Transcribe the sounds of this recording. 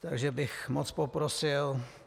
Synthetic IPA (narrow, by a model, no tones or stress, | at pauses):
t̪aɡʒɛbɪxmot͡spopɾosɪl